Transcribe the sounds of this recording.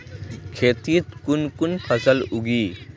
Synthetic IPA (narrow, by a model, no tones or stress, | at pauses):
kʰet̪it̪kunkunpʰəsəluɡi